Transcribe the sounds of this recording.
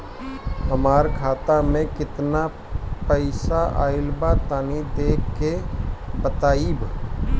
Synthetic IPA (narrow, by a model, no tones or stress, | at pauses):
ɦəmaːɾkʰaːt̪amẽkɪt̪na | pəɪsaa̰ːɪlbat̪aːnid̪eːkːebət̪aːib